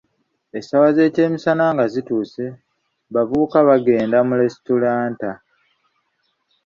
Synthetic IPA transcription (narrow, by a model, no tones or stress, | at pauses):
e̞sawaze̞ːce̞ːmisanaŋɡazituːse̞ | βavuukaβaɡe̞ːndamule̞stulaːnta